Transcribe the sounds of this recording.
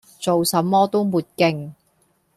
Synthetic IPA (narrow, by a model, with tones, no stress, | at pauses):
t͡so˨wsɐ˨˥mːɔː˥t̪o˥wmuː˨t̚kɪ˧ŋ